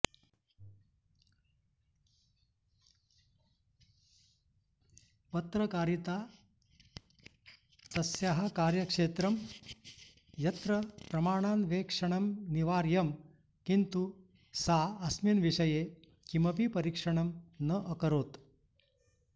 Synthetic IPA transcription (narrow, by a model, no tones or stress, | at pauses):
pɐt̪ɾɐkaːɾit̪aː | sɐsjaɦɐkaːɾjɐkʂeːt̪ɾɐm | jɐt̪ɾɐpɾɐmaːɳ̃aːnʋeːkʂɐɳɐmniʋaːɾjɐm | kint̪u | saːɐsminʋiʂɐjeː | kimɐp̬ipɐɾiːkʂɐɳɐmnɐʔɐkɐɾoːt̪